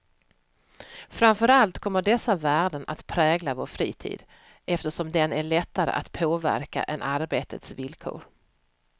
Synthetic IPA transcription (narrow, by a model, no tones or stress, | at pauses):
fɾamfœɾalt̪kʰɔmːəɖɛsːavæːɖənʔa̰t̪pʰɾɛːɡlavoːɾfɾiːt̪ʰḭːd̪̥ | ʔɛft̪əʂɔmd̪ɛnæɭɛt̪ːaɾə̰ʔat̪pʰoːvæ̰ɾka̰ʔɛnʔaɾbeːt̪ʰət̪svɪlkʰo̰ːɾ